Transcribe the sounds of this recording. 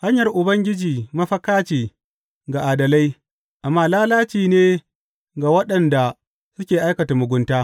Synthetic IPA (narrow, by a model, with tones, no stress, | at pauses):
ha˦ɲjɐ˨rʔʊ˨bɐ˦ŋɡʲɪ˦d͡ʒiː˨mɐ˦ɸɐ˦kaː˦t͡ʃeː˨ | ɡa˨ʔaː˨dɐ˨la˦j | ʔa˨mːaː˦laː˦laː˦t͡ʃiː˨neː˦ | ɡa˨wɐ˦ɗɐ˨nda˨ | sʊ˦kʲeː˨ʔa˦jkɐ˨ta˨mʊ˨ɡʷʊ˦ntaː˦